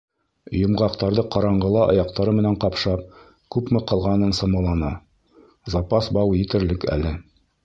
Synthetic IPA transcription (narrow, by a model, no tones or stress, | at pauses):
jŏmʁɑqt̪ɑɾðɤqɑɾɑɴɢɤ̆lˠɑʔɑ̰jɑq̚t̪ɑɾɤmɘ̆næɴqɑpʃɑp̚ | kʉpmɘqɑ̆lˠʁɑnɤɴsɤ̆mɑlˠɑnɤ | zɑpɑsbɑwjɘt̪ɘ̆ɾlɘkæ̰lɘ